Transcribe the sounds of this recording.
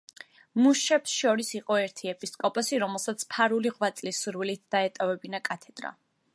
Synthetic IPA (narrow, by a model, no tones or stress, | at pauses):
muʃɛpsʃɔɾisiqʼɔɛɾt̪ʰiɛpʼiskʼɔpʼɔsiɾɔmɛlˠsat̪sʰpʰaɾuliʁwat̪sʼlisːuɾwilit̪̚ʰd̪̥aɛt̪ʼavɛbinakʼat̪ʰɛd̪̥ɾa̰